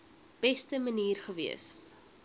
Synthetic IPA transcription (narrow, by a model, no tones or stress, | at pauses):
b̥ɛstəməniːrχəviəs